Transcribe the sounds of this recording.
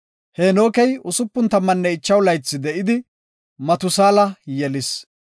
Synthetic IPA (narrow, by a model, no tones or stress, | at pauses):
heno̞ːkɛjʊsʊpːʊnt̪ɐmːɐnːɛɪt͡ʃːɐwlɐjt͡sːɪd̪ɛʔɪd̪ɪ | mɐt̪ʊsaːlɐjɛlɪs